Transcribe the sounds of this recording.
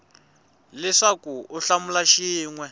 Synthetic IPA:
lɛʂakuuɬamulaʃiːŋwɛ

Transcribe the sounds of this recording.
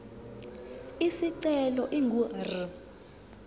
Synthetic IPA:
isiǀɛlɔʔiŋɡuri

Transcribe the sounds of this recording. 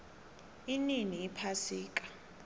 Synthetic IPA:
ininiːpʰasiːkʼḁ

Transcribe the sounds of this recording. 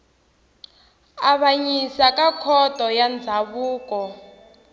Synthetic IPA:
aβaɲisakakʰɔtʼɔjand͡zʱaβuːkɔ

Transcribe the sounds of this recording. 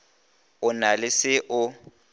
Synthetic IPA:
ʊnalɪsɪʔʊ

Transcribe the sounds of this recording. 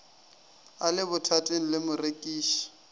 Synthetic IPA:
alɪbʊtʰatʼeŋ̩lɪmʊrekʼiːʃi̥

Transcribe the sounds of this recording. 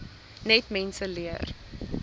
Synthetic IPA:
nɛtmɛnsəliər

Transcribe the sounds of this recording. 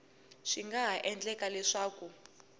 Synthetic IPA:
ʂiŋɡaɦaʔɛnd͡ɮɛkalɛʂaːku

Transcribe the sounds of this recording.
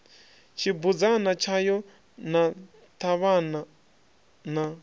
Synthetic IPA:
t͡ʃʰibud͡zanat͡ʃʰajɔ | na | t̪ʰaβana | na

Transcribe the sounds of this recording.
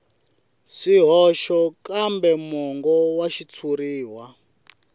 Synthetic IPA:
siɦɔʃɔkambɛmɔŋɡɔwaʃit͡sʰuɾiːwa

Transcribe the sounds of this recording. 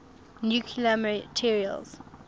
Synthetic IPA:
njukʰiəmətʰiɹiə̰lˠz̥

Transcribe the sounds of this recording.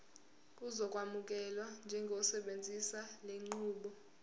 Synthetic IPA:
k̬ʼuzɔkʼwamuk̬ʼɛlwand͡ʒʱɛŋɡʱosɛɓend͡zʱisaleŋ͡ǃuːɓɔ

